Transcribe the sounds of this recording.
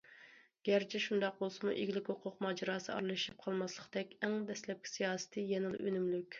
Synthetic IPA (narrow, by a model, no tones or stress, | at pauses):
ɡ̥ʲæɾt͡ʃʰɛʃund̪ɑq̚bolˠsɨmuʔeɡʲilɪkʲhoqʰʊqmɑːd͡ʒɑɾɑːsɨɑ̰ɾlˠɨʃip̚qʰɑlˠmɑslˠəqd̪ɛkʲɛŋd̪ɛslɛp̚kʲʰi̥sijɑːsɨ̥t̪ʰɨjɛŋɨlˠø̰nymlykʲ